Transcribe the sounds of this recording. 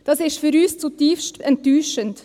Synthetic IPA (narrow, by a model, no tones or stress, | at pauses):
d̥ɑsɪʃtfyɾyːst͡sutiːfstɛntːyːʃənt